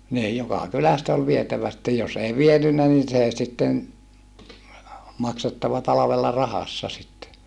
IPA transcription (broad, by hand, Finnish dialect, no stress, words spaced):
niːj jokɑˑ kylæst ol ʋietæʋæ sĭtːej jos ei ʋienynːæ nin seˑ sitːen mɑksetːɑʋɑ tɑlɑʋelːɑ rɑhɑsːɑ sitːe